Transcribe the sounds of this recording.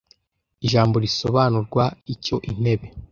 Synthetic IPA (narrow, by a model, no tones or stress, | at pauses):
iʒaːmbo̞ɾiso̞βanuɾɡwaico̞ʔin̥e̞βe̞